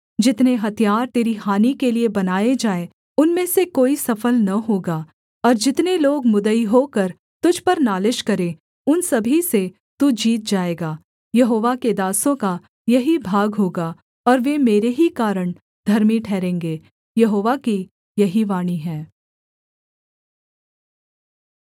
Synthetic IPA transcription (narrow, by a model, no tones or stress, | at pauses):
d͡ʒɪt̪neɦɐt̪ijaːɾt̪eːɾiɦaːnikeliebɐnaːed͡ʒaːe | ʊnmẽsekoːisɐfəlnɐɦoːɡaː | ɔːɾd͡ʒɪt̪neloːɡmʊd̪əiɦoːkɐɾ | t̪ʊd͡ʒʱpɐɾnaːlɪʃkɐɾẽ | ʊnsɐbʱise | t̪ud͡ʒiːt̪̚d͡ʒaːeːɡaː | jɐɦoːʋaked̪aːsõka | jɐɦibʱaːɡɦoːɡaː | ɔːɾʋemeːɾeɦikaːɾəɳ̃ | d̪ʱɐɾmiʈʰɛːɾẽːŋɡeː | jɐɦoːʋaki | jɐɦiʋaːɽ̃iɦɛ̃ː